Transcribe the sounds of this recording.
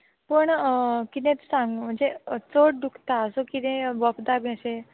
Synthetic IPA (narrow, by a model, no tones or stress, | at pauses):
pəɳkit̪ẽt̪saŋɡm̤əɳd͡zet͡soʈ̚ɖukʰt̪aəsokit̪ẽʋəpd̪abaɕe